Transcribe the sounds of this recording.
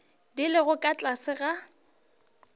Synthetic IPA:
dɪlɪɣʊkʼat͡ɬʼasɪɣa

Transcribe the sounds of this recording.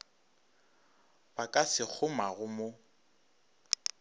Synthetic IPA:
bakʼasɪk͡xʰʊmaɣʊmo

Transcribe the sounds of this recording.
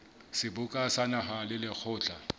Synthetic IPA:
sɪbʊkʼasanaɦalɪlɪk͡xʰʊːt͡ɬʼa

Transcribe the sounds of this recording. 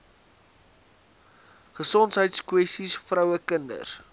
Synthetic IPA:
χəsɔntɦəjtskwɛstisfrəwəkəndə̰s

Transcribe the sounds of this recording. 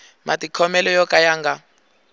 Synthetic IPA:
matikʰɔmɛlɔjɔkajaːŋɡa

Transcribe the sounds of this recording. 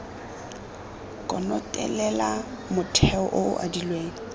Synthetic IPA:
kʼɔnɔtʼɛ̰lɛla | mʊtʰɛɔʔʊʊ̰ʔa̰dilweːŋ̩

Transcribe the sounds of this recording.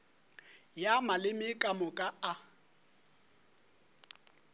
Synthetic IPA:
jamalɪmɪkʼamɔkʼaa

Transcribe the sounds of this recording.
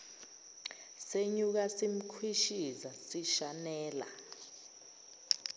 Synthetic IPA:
seɲuk̬asim̩kʰwiʃizasiʃanɛːla̰

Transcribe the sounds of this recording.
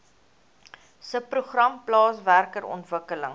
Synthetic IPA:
səpruχrɐmplɑːsværkəɾɔ̰ntvəkələŋ

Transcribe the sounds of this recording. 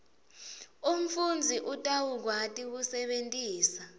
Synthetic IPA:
um̩fund͡zʱiʔutʼawuk̬watʼiwusɛɓentʼiːsa

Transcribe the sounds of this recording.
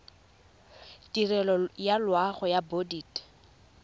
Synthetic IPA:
tirɛlɔjalwaχɔjabodiːt

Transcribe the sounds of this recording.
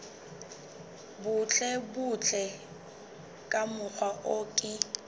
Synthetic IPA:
bʊt͡ɬʼɛbʊt͡ɬʰʼɛ | kʼamʊk͡xʰwaʔokʼɪ

